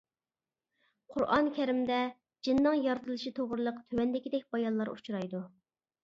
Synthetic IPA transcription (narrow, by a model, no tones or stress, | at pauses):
qʰʊɾɑ̰nkʲʰɛɾɪmd̪ɛ | d͡ʒinːɨŋjɑɾd̪ɨlˠɨʃit̪ʰoʁɾɨlˠəqt̪ʰøwɛnd̪ɪkʲid̪ɛk̚ʲbɑjɑnlˠɑɾṵt͡ʃʰuɾɑjd̪u